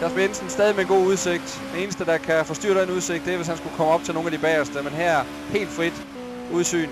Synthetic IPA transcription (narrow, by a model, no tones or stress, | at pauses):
kʰæsb̥inensn̩sd̥ɛːð̞ˠimeɡ̥o̝̰ːuð̞ˠse̝ɡ̥̚d̥d̥ee̝ːnəsd̥əd̥ɑ̈kʰæfɒ̽sd̥y̰ɐɾ̥enuðˠse̝ɡ̥̚d̥eæɐʋe̝s̬hænsɡ̥ukʰɒ̽məɒ̽b̥t͡sʰe̝no̝ːn̩æd̥ib̥æːɐsd̥əmenɦæɐ̰æɐ | he̝̰ːld̥fʁid̥ | uðˠsy̰ːn